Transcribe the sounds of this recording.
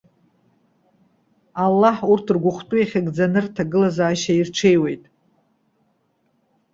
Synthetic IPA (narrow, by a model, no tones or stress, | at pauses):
alːaħurtʰrɡʷʊχtʼujaχʲaɡd͡zanɨrtʰaɡɨlazaːʃairʈ͡ʂʷʰe̞jwe̞jtʼ